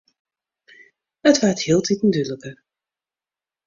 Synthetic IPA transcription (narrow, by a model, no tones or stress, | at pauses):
ətʋarthiːlˠtitn̩dyləkə